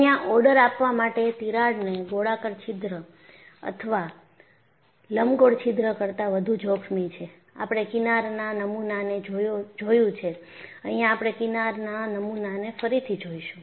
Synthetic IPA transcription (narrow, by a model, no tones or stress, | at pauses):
əɦjãʔɔɽəɾapʋamaʈet̪iɾaɽneɡoɽakəɾt͡ʃʰid̪ɾə | ə̰t̪ʰəʋa | ləmɡoɽt͡ʃʰid̪ɾəkəɾt̪aʋəd̪ʱũd͡ʒɔkʰmit͡ʃʰe | a̰pɽ̃ekinaɾnanəmunaned͡ʒojod͡ʒojũt͡ʃʰe | əɦijãːpɽ̃ekinaɾnanəmunanefəɾit̪ʰid͡ʒoiʃũ